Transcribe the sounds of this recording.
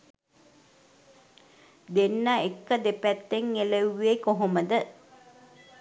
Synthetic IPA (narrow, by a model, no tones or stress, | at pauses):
d̪enːaekːəd̪epæt̪ːeŋːelewʋeːkoɦoməd̪ə